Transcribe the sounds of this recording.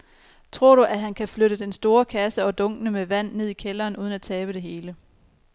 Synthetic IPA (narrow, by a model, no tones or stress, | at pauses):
t͡sʰʁo̝ɐ̰ɾ̥uʔæɦænkʰæfløɾəd̥ensd̥o̝ːɐkʰæsəɒ̽d̥ɔ̽ŋ̰ɡ̥ənəmeʋæn̰ːeð̞̰ˠikʰelɐːnʔuːð̞ˠn̩æt͡sʰɛːb̥əd̥e̝ɦe̝ːlə